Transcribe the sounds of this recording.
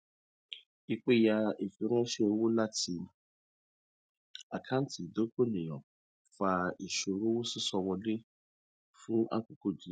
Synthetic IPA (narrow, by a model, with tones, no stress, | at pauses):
i˧k͡pe˦˨ja˧e˨fi˧˦ɾ̃ã˦ʃe˦o˧˦wo˦la˦ti˧˨n˨ | a˨kʰã˦ti˨do˦ko˦˨nẽ˨jɔ̃˨ | fa˧i˨ʃo˧ɾo˦wo˦su˦sɔ˧wɔ˧le˦ | fũ˦ʔa̰˦ku˨ko˦˨d͡ʒi˨˦